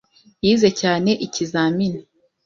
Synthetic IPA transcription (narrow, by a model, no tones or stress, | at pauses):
jiːze̞caːne̞ʔicizaːmini